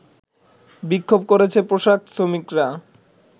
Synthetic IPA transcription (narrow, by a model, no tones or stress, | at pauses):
bikʰːob̚koɾet͡ɕʰepɾoʃak̪̚somikɾa